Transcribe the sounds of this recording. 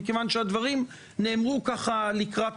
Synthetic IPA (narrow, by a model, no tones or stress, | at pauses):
ikevanʃead̪vaʁim | ne̞ːmʁukaχalikʁat̪